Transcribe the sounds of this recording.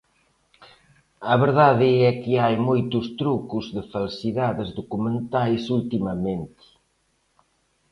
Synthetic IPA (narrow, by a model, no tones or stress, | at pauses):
ɐβeɾðaðiɛkɪajmojt̪ust̪ɾukuzðɪfalsiðaðɪzðukumẽnt̪ajsult̪imɐmẽnt̪i̥